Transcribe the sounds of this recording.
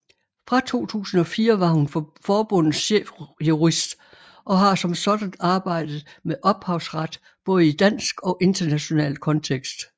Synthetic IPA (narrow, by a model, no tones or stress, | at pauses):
fʁɑ̈t͡sʰo̝̰ːt͡sʰṵːsn̩ɒ̽fiːɐʋɑ̈hunfɒːb̥ɔ̽n̰ð̩ˠɕḛfjuʁisd̥ | ʔɒ̽ɦɑ̈sɒ̽msɒ̽d̥æn̥ɑ̈ːb̥ɑ̈ɪ̰d̥ð̞̩ˠmeʔɒ̽b̥hɑ̈ʊsʁɑd̥ | b̥ɔ̽ːð̞̩ˠid̥æn̰sɡ̥ɒ̽ʔe̝nd̥ɐnæɕo̝nɛ̰ːlkʰɒ̽nt͡sʰeɡ̥sd̥